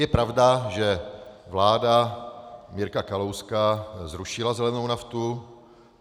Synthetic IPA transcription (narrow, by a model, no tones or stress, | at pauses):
jɛpɾavdaʒɛvlaːda | mɪɾkakalowskaːzɾuʃɪlazɛlɛnownaft̪u